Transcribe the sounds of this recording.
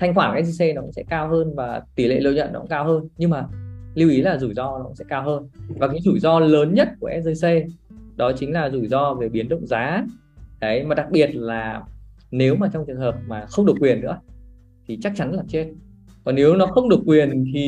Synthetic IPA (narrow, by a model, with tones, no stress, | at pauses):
t̪ʰa˧jŋ̟xwaː˧˩nkaː˨˦zi˧se˧nɔ˨˦kʊ̰˧˥ŋ͡msɛ̰˧˥kaː˧wɦəː˧nvaː˨˩t̪i˧˩lḛ˧˨lə˧˨wɲə̰˧˨nɔ˨˦kʊ̰˧˥ŋ͡mkaː˧whəː˧nɲɨ˧ŋmaː˨˩li˧wʔi˨˦laː˨˩zu˧˩jzɔ˧nɔ˨˦kʊ̰˧˥ŋ͡msɛ̰˧˥kaː˧wɦəː˧nvaː˨˩kaː˨˦jzu˧˩jzɔ˧ləː˨˦nɲə˦˥t̚ku˧˩əʔɛ˦˥zəː˧jse˧ɗɔ˨˦t͡ɕï˨˦ŋ̟laː˨˩zu˧˩zɔ˧ve˨˩ɓi˨˦ənɗə̰˧˨wŋ͡mzaː˨˦ | kə˨˦jmaː˨˩ɗa˨˩k̚ɓi˨˩ət̚laː˨˩ | ne˨˦wmaː˨˩t͡ɕwŋ͡mt͡ɕɨ˨˩əŋhəː˨˩p̚maː˨˩xə˧wŋ͡mɗɨ˨˩əkwi˨˩ənːɨ̰˧˥ə | t̪ʰi˨˩t͡ɕa˦˥k̚t͡ɕa˨˦nlaː˨˩t͡ɕe˦˥t̚ | kɔ˨˩nːne˨˦wnɔ˨˦xə˧wŋ͡mɗɨ˨˩əkːwi˨˩ənt̪ʰi˨˩